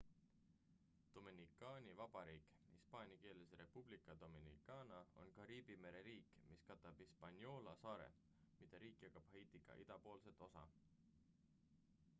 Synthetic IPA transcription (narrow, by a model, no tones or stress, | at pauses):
d̪̥ominikːˑɑːnʲivɑb̥ɑɾiːk | hispɑːnʲjɑke̞ːleseɾe̞pub̥likːˑɑd̪̥ominḭkːˑɑːnɑo̞̰nkɑɾiːb̥ime̞ɾe̞ɾiːkːˑmiskɑt̪ːˑɑb̥hispɑnʲjo̞ːlɑsɑːɾḛ | mid̪̥ɑɾiːkːˑjɑkːˑɑb̥hejt̪iɡ̥ɑ̰ʔid̪ɑpo̞ːlse̞t̪ːˑo̞sɑ̰